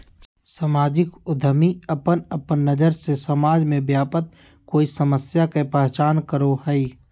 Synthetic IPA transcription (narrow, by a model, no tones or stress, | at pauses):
səmaːd͡ʒɪkʊd̪ʱəmiəpənəpənːəd͡ʒəɾsesəmaːd͡ʒmẽbjaːpət̪̚ | koːisəməsjakepɛɦt͡ʃaːnkəɾoɦɛi